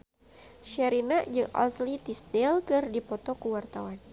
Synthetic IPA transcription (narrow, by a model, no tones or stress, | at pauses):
ʃaɾinaʔd͡ʒɨŋʔɔ̰slit̪ist̪ɛlkɨrdipɔt̪ɔkuwart̪awan